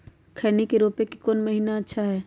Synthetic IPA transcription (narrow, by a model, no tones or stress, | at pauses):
kʰɐɾnikeɾoːpekikoːnmɐɦiːnaɐtːʃʰaɦɛː